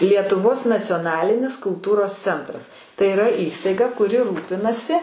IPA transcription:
lʲiɛtʊˈʋoːs nɐt͡sʲoːˈnɑːlʲɪnʲɪs kʊlˠˈtuːroːs ˈt͡sʲɛntrɐs tɐɪ ɪˈrɐ ˈiːstɐɪɡɐ kʊˈrʲɪ ˈruːpʲɪnɐsʲɪ

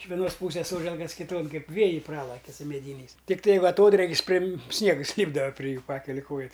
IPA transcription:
ɪʃ ʋʲɛˈnoːs ˈpuːsʲeːs ˈsoːʒʲɛlˠkɐs kʲɪˈtoːn ˈkɐɪp ˈʋʲeːjɛɪ ˈprɑːlˠɐkʲɪ sʊ mʲɛˈdʲiːnʲɛɪs tʲɪkˈtɐɪ ˈʋɐ ɐˈtoːdʲrʲeːkʲɪs ˈpʲrʲɪm ˈsʲnʲiɛɡɐs ˈlʲiːbdɐʋɐ pʲrʲɪ ˈjuː ˈpɑːkʲɛlʲɪ ˈkoːjɛ

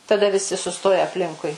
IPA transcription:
tɐˈdɐ ʋʲɪˈsʲɪ sʊˈstoːjɛ ɐpʲˈlʲɪŋkʊɪ

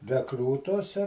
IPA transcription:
rʲɛˈkruːtuɔsʲɛ

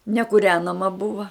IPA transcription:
nʲɛkuːˈrʲæːnɐmɐ ˈbʊʋɐ

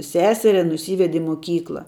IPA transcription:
ˈsʲæːsʲɛrʲɛ nʊˈsʲiːʋʲɛdʲɪ ɪ moːˈkʲiːklˠɐ

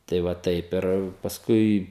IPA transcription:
tɐɪ ˈʋɐ ˈtɐɪp ɪr pɐsˈkʊɪ

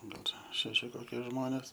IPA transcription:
ˈɡɐlˠ ˈʃʲæːʃʲɪ ˈkoːkʲiɛ ˈʒmoːnʲeːs

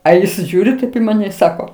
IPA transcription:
ɐ ˈjɪs ˈʒʲuːrʲɪ tɐɪp ɪ mɐˈnʲɛ ɪ ˈsɑːkoː

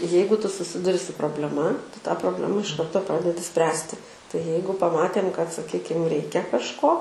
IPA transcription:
ˈjɛɪɡʊ ˈtʊ sʊˈsʲɪdʊrʲɪ sʊ proːbʲlʲɛˈmɐ ˈtʊ tɑː proːbʲˈlʲæːmɐ ɪʃ ˈkɐrtoː ˈprɑːdʲɛdʲɪ ˈsʲpʲrʲæːsʲtʲɪ tɐɪ ˈjɛɪɡʊ pɐˈmɑːtʲeːm kɐt sɐˈkʲiːkʲɪm ˈrʲɛɪkʲɛ kɐʃˈkoː

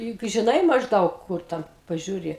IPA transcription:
jʊk ʒʲɪˈnɐɪ mɐʒˈdɐʊk ˈkʊr ˈtʲɛn pɐʒʲuːˈrʲɪ

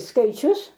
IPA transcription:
skɐɪˈt͡ʃʲʊs

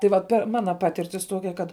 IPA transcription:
tɐɪ ˈʋɐt ˈpʲɛr ˈmɑːnɐ ˈpɑːtʲɪrʲtʲɪs ˈtuɔkʲɛ kɐt

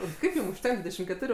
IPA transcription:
ɪr ˈkɐɪp ˈjʊm ʊʃʲˈtʲɛŋk ˈdʲʋʲiːdʲɛʃʲɪm kʲɛˈtʊrʲʊ

